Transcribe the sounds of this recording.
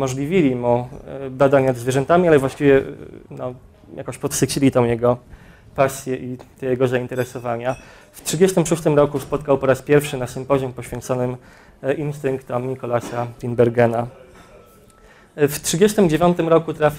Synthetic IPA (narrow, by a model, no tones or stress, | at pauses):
mɔʐlʲivʲilʲimubad̪aɲnad̪zvʲjɛʐɛnt̪amʲialɛvwaɕt͡ɕivʲjɛnɔ | jakɔ̃ɕpɔt̪sɘt͡ɕilʲit̪ɔ̃w̃jɛɡɔ | pasʲjɛʔit̪ɛjɛɡɔzaint̪ɛɾɛsɔvaɲa | ftʂɘd͡ʑɛst̪ɘmʂust̪ɘmɾɔkuspɔt̪̚kawpɔɾaspʲjɛɾfʂɘnasɨmpɔʑɔmpɔɕfʲɛnt̪sɔnɘm | ʔinst̪ɘŋkt̪ɔmɲikɔlasafʲinbɛɾɡɛna | ftʂɘd͡ʑest̪ɘmd͡ʑevʲjɔnt̪ɘmɾɔkut̪ɾafʲ